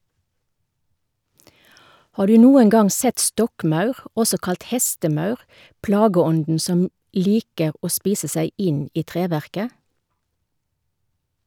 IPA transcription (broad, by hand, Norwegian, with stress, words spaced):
ˈhɑː ˈdʉː ˈnuːəŋ ˈɡɑŋ ˈsɛt ˈstɔkˌmɑʉʁ ˈɔsɔ ˈkɑlt ˈhɛstəˌmɑʉʁ ˈplɑːɡəˌɔndn̩ ˈsɔm ˈliːkə ˈoː ˈspiːsə ˈsæɪ ˈɪn ˈiː ˈtʁeːʋæʁkə